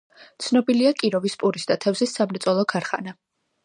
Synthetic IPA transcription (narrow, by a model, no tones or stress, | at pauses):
t̪sʰnɔbiliakʼiɾɔvispʼuɾisd̪at̪ʰɛvzisːamɾɛt̪sʼɔlˠɔkʰaɾχa̰na